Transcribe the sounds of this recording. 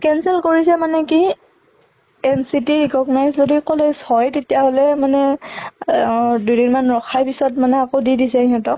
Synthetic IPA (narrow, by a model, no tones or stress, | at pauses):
kɛnsɛlkoɹisɛmanɛki | ɛnsitiɹikɔɡnajszodikoleshɔjtetijaɦolɛmanɛ | dudinmanɹɔxʰajpisɔtmanɛakodidisɛiɦɔtɔk